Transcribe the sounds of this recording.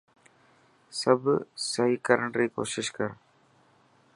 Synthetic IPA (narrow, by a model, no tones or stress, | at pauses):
səbsəɦiːkəɾəɳɾiːko̰ːʃɪʃkəɾ